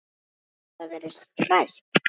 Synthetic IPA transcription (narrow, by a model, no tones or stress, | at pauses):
θaðvɛɾɪst̪kʰrajht̪